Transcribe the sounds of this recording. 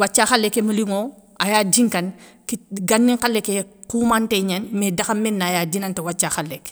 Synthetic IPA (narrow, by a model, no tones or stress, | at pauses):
wat͡ʃːaxalːekemɐliŋoʔajaːd͡ʒiŋkɐn | kiɡanːiŋkalːekekuːmanteɲɐnmedɐxɐmɛnːajaːdinɐntewat͡ʃːaxalek